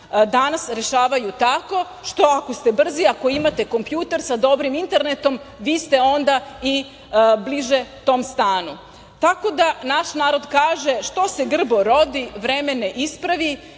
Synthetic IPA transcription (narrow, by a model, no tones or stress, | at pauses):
d̪anasɾe̞ʃaːʋajut̪ako̞ | ʃt̪o̞ako̞st̪e̞br̩ziako̞imat̪e̞ko̞mpjuːt̪eɾsad̪o̞bɾimint̪e̞ɾne̞t̪o̞m | ʋiːst̪e̞o̞nd̪ai | bliʒet̪o̞ːmst̪aːnu | t̪ako̞d̪anaʃnaːɾo̞d̪kaːʒeʃt̪o̞se̞ɡr̩bo̞ɾo̞d̪iʋɾemeneʔispɾaʋi